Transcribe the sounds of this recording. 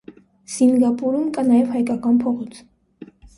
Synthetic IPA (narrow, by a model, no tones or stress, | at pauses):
siŋɡɑpuɾumkʼɑnɑjɛvhɑjkɑkɑnpʰɔʁɔt͡sʰ